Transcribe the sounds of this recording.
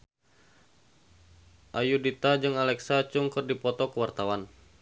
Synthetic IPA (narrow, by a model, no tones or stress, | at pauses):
ʔajudit̪ad͡ʒɨŋalɛksat͡ʃuŋkɨrdipɔt̪ɔkəwart̪awan